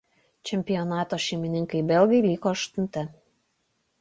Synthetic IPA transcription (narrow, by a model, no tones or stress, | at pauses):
t͡ʃʲɛmʲpʲɪjonɑːt̪oːʃʲeɪmʲɪnʲɪŋkɐɪbʲɛlʲɡʲejlʲiːkoɐʃt̪ʊnʲt̪ʲɪ